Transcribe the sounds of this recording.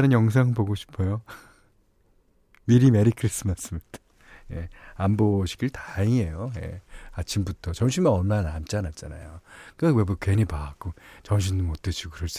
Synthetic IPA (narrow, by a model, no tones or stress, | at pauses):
nɯnjʌŋs̬ʰaŋɯɭpoɡoɕʰi̥pʰojo | miɾimeɾikʰɯɾis͈ɯmas͈ɯmit | je̞̰amboɕʰi̥ɡiɭtaiɦe̞joje̞̰at͡ɕʰimbutʰʌt͡ɕʌŋɕʰinmanʌnmanamt͡ɕ͈anat̚t͡ɕ͈ana̰jokɯewebukwenipaak͈ot͡ɕʌŋɕ̬ʰindumot͈ɯɕʰikɯɾʌɭs͈